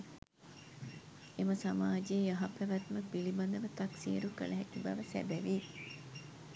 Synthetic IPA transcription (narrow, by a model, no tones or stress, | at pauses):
eməsamaːd͡ʒeːjaɦapæʋæt̪məbilibɐnd̪əʋət̪ɐksḭːɾukə̰lɐɦɛkibɐʋəsæ̰bæʋi